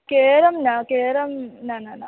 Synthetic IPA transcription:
keːɾɐmnakeːɾɐmnaːnaːna

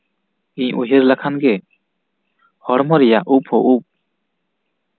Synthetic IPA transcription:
iɲuɦiɾlakʰanɡɛ | hɔɽmɔɾɛjaʔuphɔʔup̚

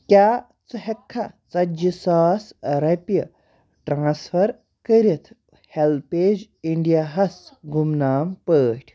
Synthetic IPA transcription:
kʲjaː | t͡səɦekʰːat͡sɐd͡ʒisaːsɾɐpjə | ʈɾãːsfʰɐɾ | kəɾit̪ʰ | helpeːd͡ʑ | iɳɖijaɦɐsɡʱumnaːmpəːʈʲʰ

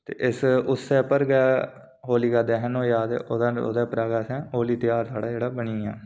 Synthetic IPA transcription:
t̪ḛːʔɪsʊsːɛːpəɾɡaː | ɦoːliːɡaːd̪ɛːɦnõːjaːd̪ḛːʔoːd̪ao̰ːd̪aːpɾaːɡaːsɛ̃ːɦoːliːt̪ɪjaːɾsaːɽaːd͡ʒeːɽaːbəɳiːɛː

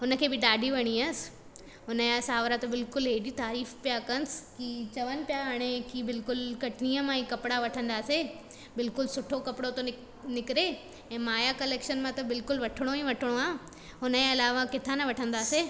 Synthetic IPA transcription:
ɦʊnə̆kʰeːbɪɗaːɖʱiʋɐɽ̃ias | ɦʊnəjasaːʋɾat̪ɐbɪlkʊlɦeːɗit̪aːɾiːfpijakɐnɪskit͡ɕɐʋənɪ̆pijaɦɐɽ̃ekibɪlkʊlkɐʈɪniːəmãĩkɐpɪɽaʋɐʈʰə̃nd̪aːse | bɪlkʊlsʊʈʰokɐpɪɽot̪o | nɪkɪɾe | ɛ̃ːmaːjakɐleːkʃənmãt̪ɐbɪlkʊlʋɐʈʰɪɽ̃oĩʋɐʈʰɪɽ̃oaː | ɦʊnəẽɐlaːʋakɪt̪ʰanɐʋɐʈʰə̃nd̪aːseː

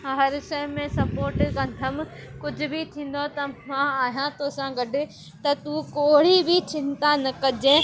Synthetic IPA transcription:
ɦɐɾʃɐɪmẽsɐpoːɾʈkɐ̃nd̪ʱəmkʊd͡ʑʱʊ̆bʱit̪ʰĩːn̆d̪ot̪ɐmãaːɦijãt̪oːsãɡɐɖɪ̆ | t̪ɐt̪ukoːɽibʱit͡ɕɪ̃nt̪anɐkɐd͡ʒẽ

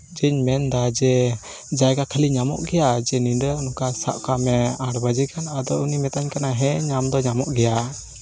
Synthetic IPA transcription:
d͡ʒiɲmɛnd̪ad͡ʒɛ | d͡ʒajɡakʰəliɲamɔ̰ʔɡɛjad͡ʒɛnindənɔkasa̰ʔkamɛaɾbad͡ʒikʰanad̪ɔunimɛt̪aɲkanaɦɛɲamd̪ɔɲamɔʔɡɛja

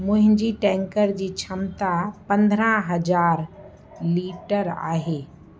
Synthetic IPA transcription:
mʊ̃ɦɪ̃ɲd͡ʑiʈɛ̃ːŋkəɾd͡ʑiːt͡ɕʰɐmt̪apɐ̃nd̪ʱɾãɦɐd͡ʑaːɾ | liːʈəɾa̰ːɦeː

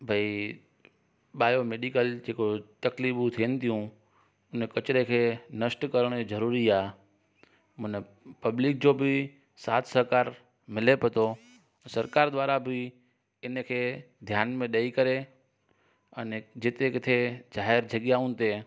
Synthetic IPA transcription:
bʱɐi | ɓaːjomeːɖikəld͡ʑeːkot̪ɐkliːbut̪ʰiənɪ̆t̪ʰijũ | ʊnkɐt͡ʃɾekʰeːnɐsʈkɐɾəɽ̃zɐɾuːɾiaː | mʊ̃n | pɐblɪk̚d͡ʑoːbɪ | saːt̪ʰsɐɾkaːɾ | mɪlepɐt̪ʰo | sɐɾkaːɾd̪ʋaːɾabɪ | ɪnkʰeː | d̪ʱjaːnmẽɗɐikɐɾe | ɐnd͡ʑɪt̪ekɪt̪ʰezaːɦɪɾd͡ʑʱɐɠjaũnt̪e

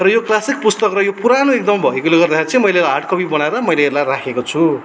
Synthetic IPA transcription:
rʌjoklasik̚pust̪ʌkrʌjopuɾanoek̚d̪ʌmbʱʌikoleɡʌrd̪axeɾit͡sʌĩmʌjlelaaʈʰkʌpibʌnaeɾʌmʌjleːlajrakʰekot͡sʰu

